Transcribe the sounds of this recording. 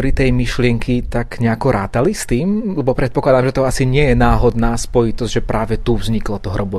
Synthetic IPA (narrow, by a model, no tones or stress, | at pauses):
ɾit̪ɛjmiʃlɪɛŋkʰit̪aɡɲɛakɔɾaːt̪alist̪iːmlɛbɔpɾɛt̪̚pɔklad̪amʒɛt̪ɔasiɲɪɛjɛnaːɦɔd̪naːspɔjit̪ɔzʒɛpɾʔaːʋɛt̪uvzɲiklɔt̪ɔɦɾɔbɔ